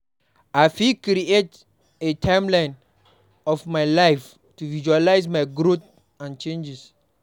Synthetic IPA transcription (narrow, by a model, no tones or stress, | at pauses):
ajfikɾiet | etʰãjmlãj̃n | ɔfmajlajf | tuvid͡ʒualajsmajɡɾot | ãnt͡ʃẽnd͡ʒɛs